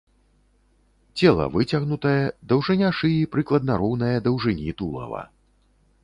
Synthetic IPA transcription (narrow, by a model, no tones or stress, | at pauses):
t͡sʲɛlˠɐ̰vɨt͡sʲɐɣnut̪ɐjɐd̪ɐwʐɨnʲaʂɨjipɾɨklˠɐd̪̚nɐɾɔwnɐjɐd̪ɐwʐɨnʲit̪ulˠɐ̰vɐ̰